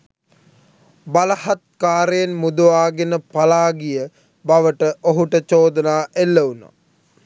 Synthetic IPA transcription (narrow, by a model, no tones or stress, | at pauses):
baləhat̪̚kaːɾəjenmud̪uʋaːɡenəpalaːɡijə | baʋəʈəʔoɦuʈət͡ʃoːd̪ənaːʔelːəuna̰